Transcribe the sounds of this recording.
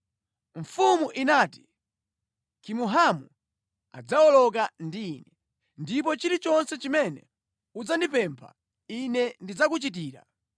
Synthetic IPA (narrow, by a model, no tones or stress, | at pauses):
ɱ̩fumuʔinaːti̥ | kimuɦamu | a̰d͡zaɔlɔk̬andiːnɛ | ndip̬ɔt͡ʃiɾit͡ʃɔnsɛt͡ʃimɛnɛ | ud͡zandipɛmpʰa̰ | inɛndid͡zakut͡ʃit̬iːɾa̰